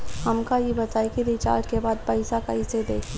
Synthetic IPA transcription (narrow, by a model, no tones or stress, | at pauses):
hɐmkaɦibɐt̪aːikiɾit͡ʃa̰ːɾʈkebaːd̪̚pɐɪsakɐɦised̪eːkʰli